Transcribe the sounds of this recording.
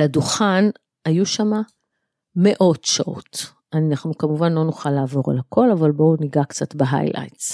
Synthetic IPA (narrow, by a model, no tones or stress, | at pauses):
laduχan | ajuʃama | me̞ʔo̞tʃa̰ʔo̞̰t | aninaχnukamuvanlo̞nuχalaːvo̞ʁa̰lhako̞lavalbo̞niɡakt͡satbeɦa̰jla̰jts